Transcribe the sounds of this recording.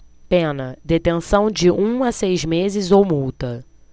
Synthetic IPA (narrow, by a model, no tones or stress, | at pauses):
pẽnɐd̪et̪ẽsɐ̃w̃d͡ʒɪʔũasejzmezɪzowmuwt̪ɐ